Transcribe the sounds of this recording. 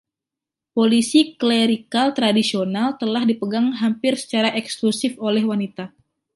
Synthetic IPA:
polisikleɾikalt̪ɾadisionalt̪əlahdipəɡaŋɦampɪrsə̥t͡ʃaɾaʔɛksklusɪfolɛhwanit̪a

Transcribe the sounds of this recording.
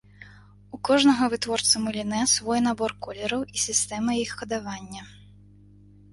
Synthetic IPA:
ukɔʐnɐɣɐvɨt̪vɔrt̪sɐmɐlʲinɛsvɔjn̪abɔrkɔlʲɛɾɐwisʲist̪ɛmɐjixːɐd̪avanʲːɐ

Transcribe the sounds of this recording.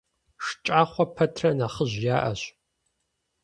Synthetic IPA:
ʂt͡ʃʼaːχʷɔpʰɐtʰrɐnɐχəʑjaːʔɐ̰ɕ

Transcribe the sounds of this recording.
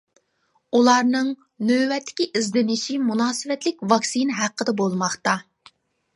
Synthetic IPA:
ulˠɑɾnɨŋ | nøwɛt̪ʰːɪ̥kʲiʔizd̪ɪnɪʃimunɑːsɨvɛt̪lɪk̚ʲvɑksinɦæqʰːəd̪ɛbolˠmɑχt̪ɑ

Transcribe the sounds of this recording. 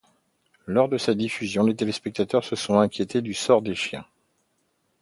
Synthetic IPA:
lɔʁd̪əsad̪ifyzjɔ̃let̪elespɛk̚t̪at̪œʁsəsɔ̃ɛ̃kʲjet̪ed̪ysɔʁd̪eʃjɛ̰̃

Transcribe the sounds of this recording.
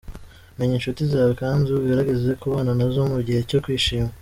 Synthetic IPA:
meɲenʃutizaːβokaːnzuβɡaɾaɡezekuβaːnanazo̞muɾɟihe̞co̞kwiːʃiːma

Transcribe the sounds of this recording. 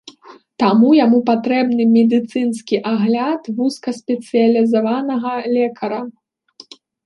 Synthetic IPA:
t̪amujamupat̪ɾɛbnɨmʲɛd̪ɨt̪sɨnskʲiʔaɣlʲat̪vuskɐsʲpʲɛt̪sɨjɐlʲizavanɐɣɐlʲɛkʰɐɾɐ

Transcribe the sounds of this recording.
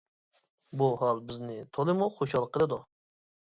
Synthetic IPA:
buɦɑlˠbɪznɪt̪ʰolˠɨmuχoʃhɑlˠqʰəlˠɨd̪u

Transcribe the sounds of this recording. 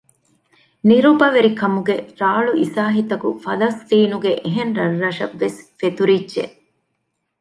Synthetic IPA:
niɾubɐʋeɾikɐmuɡeɾaːɭuʔisaːɦit̪ɐkufɐlɐst̪iːnuɡeʔeɦenɾɐrːɐʃɐʋːesfet̪uɾidːʒḛ

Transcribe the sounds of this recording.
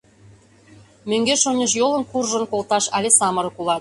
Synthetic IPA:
møŋɡeʃonʲeʃ̬jolɤ̆nkurʒə̆nkolt̪ɑʃælʲesɑmɤ̆ɾɤ̆kulɑt̪

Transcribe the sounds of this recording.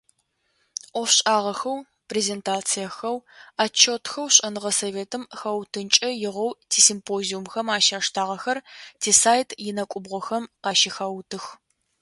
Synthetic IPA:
ʔʷɔfɕʼaːʁɐxɐw | preːzeːntʰaːt͡sʰijɐxɐwaːt͡ʃʰotxɐwɕʼɐnɨʁɐsɐveːtʰɨmxɐwtʰɨnt͡ʃʼɐjɪʁʷɐwtʰiːsimpʰoːziumxɐmaːʃaːʂtʰaːʁɐxɐrtʰeːsaːjtʰjɪnɐkʷʼʊbʁʷɔxɐmqɑːʃixɐwtʰɨx

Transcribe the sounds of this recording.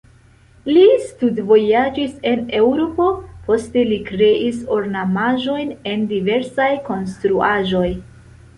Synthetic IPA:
listudvo̞jad͡ʒise̞ne̞wɾopo̞po̞ste̞likɾe̞ʔiso̞ɾnamaʒo̞jne̞ndive̞ɾsajko̞nstɾuaʒo̞j

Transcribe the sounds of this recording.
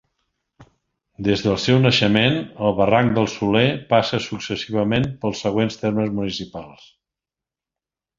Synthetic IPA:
d̪ezðəlˠsɛwnəʃəmenəlˠβəraŋd̪əlˠsulepasəsuksəsiβəmenpəlˠsːəɣ̞wenst̪erməzmunisipalˠs

